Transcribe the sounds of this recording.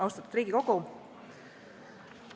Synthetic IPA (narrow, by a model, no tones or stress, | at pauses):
ɑwst̪ɑt̪u̥d̪ɾiːɡ̥iko̞ɡ̥u